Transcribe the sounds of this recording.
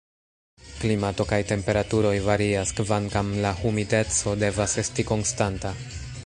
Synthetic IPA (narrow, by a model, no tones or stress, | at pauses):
klimato̞kajte̞mpe̞ɾatuɾo̞jvaɾiaskvaŋkamlahumide̞t͡so̞de̞vase̞stiko̞nstanta